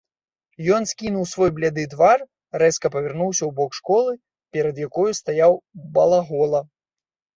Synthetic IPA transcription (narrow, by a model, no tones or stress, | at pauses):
jɔnskʲinuwsvɔjblʲad̪ɨd̪var | rɛskɐpɐvʲɛrnuwsʲɐwbɔkʂkɔlˠɨ | pʲɛɾɐd̪jakɔjust̪ajawbɐlˠaɣɔlˠɐ